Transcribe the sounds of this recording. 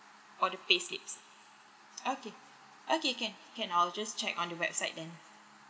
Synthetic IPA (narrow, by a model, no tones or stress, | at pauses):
fɔdəpeslḭps | oke | ʔokekɛ̃nkɛ̃nald͡ʒast͡ʃɛkɔ̃ndəwɛ̰b̥̚saɪt̚dɛ̃n